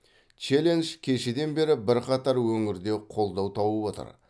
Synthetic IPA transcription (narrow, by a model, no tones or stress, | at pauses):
t͡ʃe̞lʲe̞nʒkʲʰe̞ʃed̪e̞nbe̞ɾɪbɪɾqɑt̪ɑɾwɵŋɪɾd̪e̞qʰo̞lˠd̪ɑwt̪ʰɑwəwo̞t̪ə̰ɾ